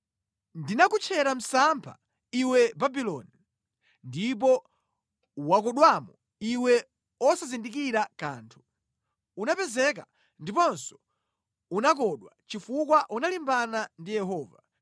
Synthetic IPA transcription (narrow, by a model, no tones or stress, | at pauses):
ndinakut͡ʃʰɛɾam̩sampʰa̰ | iwɛbabilɔni | ndip̬ɔ | wakɔɗwamɔ | iwɛ | ɔsazindik̬iɾakaːntʰu̥ | unapɛzɛk̬a | ndipɔnsɔ̥ | unak̬ɔɗwat͡ʃifuk̬waʔunalimbanandijɛɦɔːva